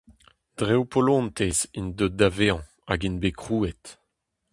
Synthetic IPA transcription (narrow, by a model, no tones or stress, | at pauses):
d̥ʁewpʰɔlɔ̃nt̪ezind̪ød̪aveɑ̃ | a̰ɡinbekχuːet